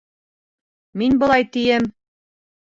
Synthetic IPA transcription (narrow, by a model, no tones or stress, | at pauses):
minbɤ̆lˠɑjt̪ĭjɘm